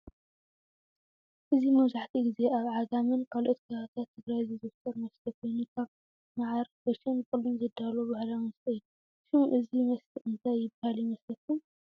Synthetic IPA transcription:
ʔɨzimɐβzaħt̪ʰiɡize̞aβʕaɡamɨnkʰalʔot̪kʰɐt̪ʰaβt̪ʰat̪ʰːɨɡɾajzizɨft̪ʰɐɾmɐst̪ʰɐkʰojnukʰaβ | naʕaɾbɐɾʃɐnkʼɨlːomzɐd̪alobahlawɨnst̪ɐd̪u | ʃɨmʔɨzimɐst̪ɨʔɨnt̪ʰajːɪbahaljimɐslɐk̪ʰːum

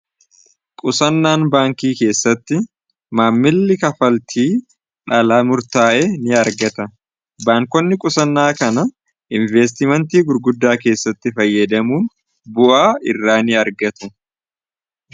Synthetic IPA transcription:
kʼʊsɐnːaːnbaːŋkiːke̞ːsːɐt̪ːɪ | maːmːɪlːɪkɐfɐlt̪ʰiː | ᶑɐlaːmʊɾt̪aːʔeːnɪɐɾɡɐt̪ɐ | baːŋkɔnːɪkʼʊsɐnːaːkɐnɐ | ʔɪnveːs̬t̪ɪmɐnt̪iːɡʊɾɡʊd̪ːaːke̞ːsːɐt̪ːɪfɐjːɐd̪ɐmuːn | bʊʔaːɪrːaːnɪɐɾɡɐt̪ʊ

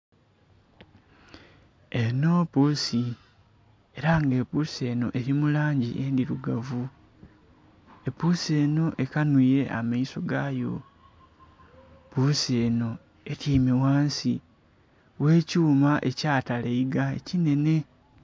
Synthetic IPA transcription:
eno̞pusi | e̞ɾaŋɡe̞ːpuse̞ːno̞̰ʔe̞ɾimulaːɲɟiʔendiɾuɡavu | e̞pusie̞no̞ʔe̞kanwiːɾe̞ʔa̰maiso̞ɡajo̞̰ | pusie̞ːno̞ | etiːmiwaːnsi | we̞ːcuːmaʔe̞̰caːtaleiɡae̞̰cine̞ne̞

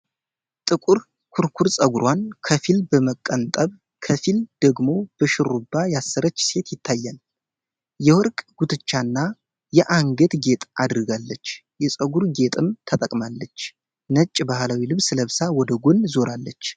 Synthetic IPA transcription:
t̪ʼɨkʼuɾ | kʰuɾkʰuɾsʼəɡuɾwankʰəfilbəməkʼːənt̪ʼəβ | kʰəfild̪̥əɡmo̞b̥əʃɨɾubːajasːɨɾət͡ʃːse̞t̪jɪt̪ʰːajːal | jɛwɔɾkʼɡ̥ut̪ʰɨt͡ʃːanːa | jɛʔaŋɡət̪ɡe̞t̪ʼad̪ɾɨɡalːət͡ʃː | jɛsʼəɡuɾɡe̞t̪ʼɨmt̪ʰət̪ʼəkʼmalːət͡ʃː | nət͡ʃʼːbahlawilɨβsɨləβsawɔd̪əɡonzo̞ɾalːət͡ʃː

